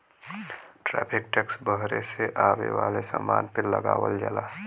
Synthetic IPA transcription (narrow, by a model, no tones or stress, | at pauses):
ʈɾɛpʰɪkʈɛksbəɦɾeseʔaːwewaːlesamaːnpeləɡaːwəld͡ʒalaː